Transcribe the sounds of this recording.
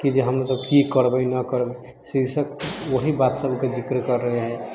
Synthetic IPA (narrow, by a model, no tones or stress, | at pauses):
kid͡ʒeɦəmɾasəbkikəɾbəjnəkəɾbə | sisəkwoɦibat̪səbʱked͡ʒikɾkəɾːəɦeɦɛ